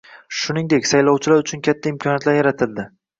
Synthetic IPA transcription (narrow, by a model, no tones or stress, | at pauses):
ʃʊnɪŋd̪ekʲsajlɒwt͡ʃʰɪlaɾʊt͡ʃʰʊnkʲʰat̪ʰːaɪmkʰɒnjat̪laɾjaɾat̪ʰɪld̪ɪ